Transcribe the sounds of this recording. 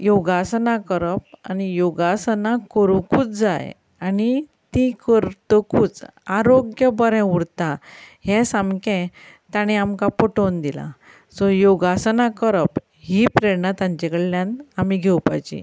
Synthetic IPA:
jɔɡasnakəɾəp̚anijoɡasənakəɾukuːt͡sd͡zaj | ani | t̪ikəɾt̪əkuːt͡saɾoɡjəbəɾɛ̃uɽt̪aɦɛ̃sãmkɛ̃ | t̪aɽ̃iamkapɔʈond̪ila̰ | sɔjoɡasənakəɾəp | ɦipɾeɾnat̪ãɲt͡ɕɛkəɭljãnt̪amiɡʱewpa̰jt͡ɕḭ

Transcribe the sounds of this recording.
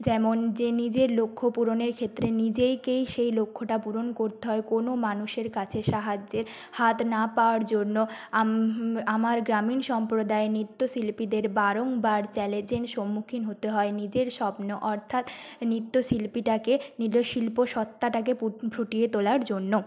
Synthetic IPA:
d͡ʑɛmond͡ʑenid͡ʑeɾlokʰːopuɾoneɾkʰet̪ːɾenid͡ʑejkejʃejlokʰːoʈapuɾonkoɾt̪eɦɔekonomanuʃeɾkat͡ɕʰeʃaɦad͡ʑːeɾ | hat̪napaoaɾd͡ʑonːoaamaɾɡɾaminʃɔmpɾod̪aenɾit̪ːosilpid̪eɾbaɾoŋbaɾt͡ɕɛled͡ʑenʃomːukʰinɦot̪eɦɔenid͡ʑeɾʃɔpnoʔɔɾt̪ʰat̪nɾit̪ːosilpiʈakeniloʃilpoʃɔt̪ːaʈak̬epɾoʈijet̪olaɾd͡ʑonːo

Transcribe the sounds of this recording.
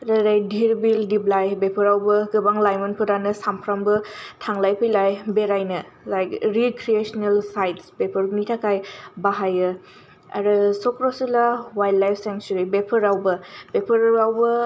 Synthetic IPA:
ɾaɾajdʱiɾbildiblajbepʰɐɾawbɐɡɯbaŋlajmɔnpʰɯɾanɐsampʰɾambɯtʰaŋlajpʰɯjlajbeɾajnɐ | lajkɾikɾiesɔnelsajtsbepʰɐɾɡnitʰakʰajbaɦajɯ | a̰ɾɯsɔkɾosilawajdlːajpʰseŋsuɾibepʰɐɾawbɐb̥epʰɐɾawbɐ

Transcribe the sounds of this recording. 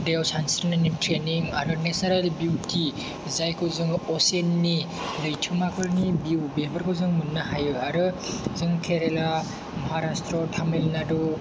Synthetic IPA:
dewsansiɾnanimtʰɾeniŋa̰ɾɯnesaɾalbitʰi | zajkʰɯzɯŋɔsenːi | lɯjtʰɯmakʰɯɾnibiwbebɐɾkʰɯwzɯŋmunːaɦajɯaɾɯzɯŋkʰeɾela | mɐɦaɾastɾɔtʰamelnadu

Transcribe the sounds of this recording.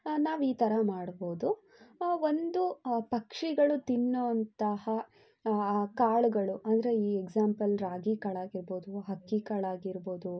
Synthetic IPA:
naːʋiːt̪ɐɾɐmaːɽbo̞ːd̪u | o̞nd̪upɐkʂiɡɐɭut̪inːoɐnt̪ɐhɐ | kaːɭuɡɐɭuʔɐnd̪ɐɾe̞iːeɡd͡ʒaːmpɐlɾaːɡikɐɭaːɡiɾbo̞ːd̪uɦɐkːikɐɭaːɡiɾbo̞ːd̪u

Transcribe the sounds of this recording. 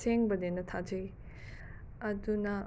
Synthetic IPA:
seŋbɐd̪enɐt̪ʰad͡ʒej | ɐd̪unɐ

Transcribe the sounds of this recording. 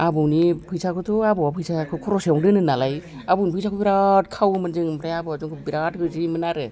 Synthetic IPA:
abunipʰɯjsʰakʰɯtʰɔabɔwapʰɯjsʰakʰɯkʰɔɾɔseɔwŋdɯnɯnalaj | abuwnipʰɯjsʰakʰɯbiɾat̚kʰawmɯnd͡ʒɯŋmɾajabɯazuŋkʰɯbiɾat̚hɯɾzimɯnaɾɯ

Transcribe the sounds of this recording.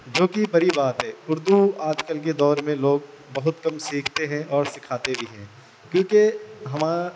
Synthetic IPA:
d͡ʒoːkibɐɾibaːt̪ɦɛːʊɾd̪uaːd͡ʒkəlk̬ed̪ɔːɾmẽloːɡ | bɐɦʊt̪kɐmsiːkʰt̪eɦɛ̃ʔɔːɾsɪkʰaːt̪ebʱiɦɛ̃ː | kjõːkeɦɐmaː

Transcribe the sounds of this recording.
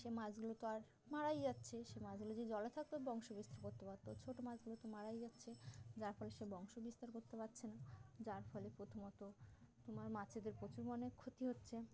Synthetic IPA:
ʃemad͡ʑɡulot̪oaɾ | maɾajd͡ʑatːɕʰeʃemad͡ʑɡulod͡ʑed͡ʑɔlet̪ʰak̚t̪obɔŋʃobist̪aɾkoɾt̪epaɾt̪ːot͡ɕʰoʈomad͡ʑɡulot̪omaɽajd͡ʑatːɕʰed͡ʑaɾfɔleʃebɔŋʃobist̪aɾkoɾt̪epatːɕʰenad͡ʑaɾfɔlepɾot̪ʰomɔt̪ot̪omaɾmat͡ɕʰed̪eɾpɾot͡ɕuɾbonekʰot̪iɦotːɕʰe

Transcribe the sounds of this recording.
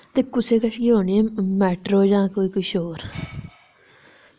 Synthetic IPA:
t̪eːkʊseːkəsɡiɦoːniemɛːʈɾoːd͡ʒãːkoːiːkʊʃoːɾ

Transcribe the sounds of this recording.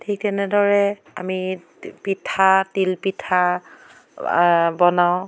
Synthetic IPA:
tʰik̚tɛnɛdɔɹɛ | a̰mi | pitʰatilpitʰa | bɔnaʊ̃

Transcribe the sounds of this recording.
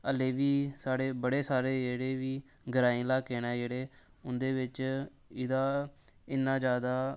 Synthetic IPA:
əleːʋiːsaːɽeːbəɽeːsaːɾeːd͡ʒeːɽeːʋiː | ɡəɾaːĩːlaːkeːnɛːd͡ʒeːɽeː | ʊnd̪eːʋɪt͡ʃ | ɪd̪aːɪnːãːd͡ʒjaːd̪aː

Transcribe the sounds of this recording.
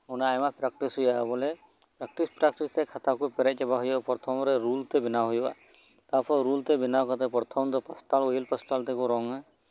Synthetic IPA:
ɔnaajmapɾak̚ʈisɦujaɦɛbɔlɛ | pɾak̚ʈispɾakʈist̪ɛkʰat̪akupɛɾɛc̚d͡ʒɛbaɦɔjapɔɾt̪ʰɔmɾɛɾult̪ɛbinaɦɔja̰ | t̪apʰɔɾɾult̪ɛbinawkat̪ɛpɔɾt̪ʰɔmt̪ɔpasʈalɔjilpasʈalt̪ɛkuɾɔŋa

